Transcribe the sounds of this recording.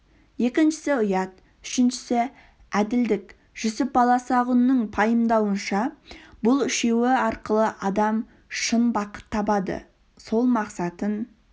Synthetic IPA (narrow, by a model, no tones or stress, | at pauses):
je̞kʲɪnʃɪ̥sɪʊjɑt̪̚ | ʏ̥ʃɪnʃɪ̥sɪ | æd̪ɪld̪ɪk | ʒ̥ʏsɪp̚bɑlˠɑsʁʊnːəɴpʰɑjəmd̪ɑwənʃɑbʊlˠɪʃe̞wɪɑɾqəlˠəʔɑd̪ɑm | ʃənbɑqə̥t̪ʰːɑpɑd̪ə̰ | so̞lˠmɑqsɑt̪ən